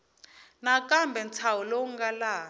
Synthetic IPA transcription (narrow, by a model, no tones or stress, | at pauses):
nakʼambʱɛnt͡sʰawɔlouŋɡalaː